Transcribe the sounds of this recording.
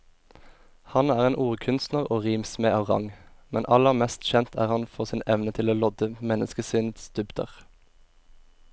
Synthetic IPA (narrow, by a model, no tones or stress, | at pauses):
hɑnæːʁeːnʔuːʁkʰʉnst̪nəʁoːʁiːmsmeːʔɑːʋʁɑ̰ŋmɛnʔɑləʁmɛst̪çɛnt̪ʰæ̰ːʁhɑnfɔʁsɪːnɛʋnət̪ʰɪloːlɔd̪əmɛnəskəsʏnsd̪̥ʉbd̪ə̰ʁ